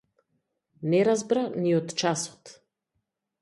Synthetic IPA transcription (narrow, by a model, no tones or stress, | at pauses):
nɛɾazbɾaniɔt̪t͡ʃasɔ̥t̪